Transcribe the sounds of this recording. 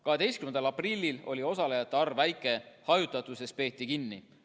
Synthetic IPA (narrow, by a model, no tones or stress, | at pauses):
kɑɦe̞d̪e̞jstkymend̪ɑlɑprilʲːilo̞lio̞sɑle̞jɑt̪ːˑeɑrvvæjkːˑe̞hɑjut̪ːˑɑt̪ˑuse̞s̚pe̞ːt̪ːˑikinːi